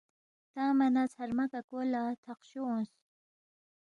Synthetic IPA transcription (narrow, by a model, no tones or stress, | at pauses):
t̪aːmanat͡sʰhaɾmakakolat̪ʰaqɕoũns